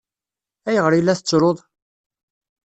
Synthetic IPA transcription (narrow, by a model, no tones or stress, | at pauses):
æjəʁəɾjilːæθt͡sːɾoðˤ